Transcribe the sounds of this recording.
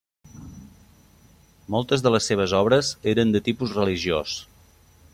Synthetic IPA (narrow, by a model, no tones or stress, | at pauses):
molˠt̪əzðələsːeβ̞əzɔβɾəzeɾənd̪ət̪ipuzrəliʒios